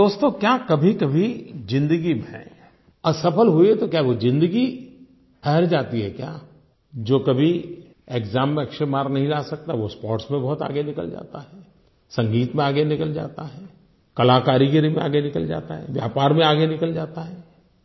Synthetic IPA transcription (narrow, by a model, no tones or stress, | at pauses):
d̪oːst̪õːkjaːkɐbʱikɐbʱizɪ̃nd̪əɡibɦɛ̰̃ | ɐsɐpəlɦʊiɦɛt̪okjaːɦɛʋod͡ʒɪ̃nd̪əɡi | pʰɛɦɛɾd͡ʒaːt̪iɦɛkja̰ː | d͡ʒoːkɐbʱi | eːkzaːmːẽɐkʃəɾmaːɾnɐɦĩlaːsɐk̚t̪aɦɛʋospɔːɾʈsmẽbɐɦʊt̪a̰ːɡenɪkə̰ld͡ʒa̰ːt̪aɦɛː | sɐ̃ŋɡiːt̪mẽaːɡenɪkəld͡ʒa̰ːt̪aɦɛː | kɐlaːkaːɾiɡəɾimẽa̰ːɡenɪkəld͡ʒa̰ːt̪aɦɛ̰ːʋja̰ːpaːɾmẽaːɡenɪkəld͡ʒaːt̪aɦɛː